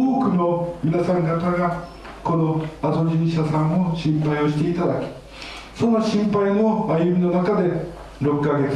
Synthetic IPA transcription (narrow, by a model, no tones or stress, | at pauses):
oːkɯ̟no̞mʲinasãŋɡat̪aɡa | ko̞no̞ad̪o̞d͡ʑĩɕasãɰ̃oɕĩmpaijo̞ɕi̥t̪e̞it̪ad̪akʲi̥ | so̞noɕĩmpaino̞ajɯmʲino̞nakad̪e̞ | ɾo̞kɯːaɡe̞t͡sɨ̥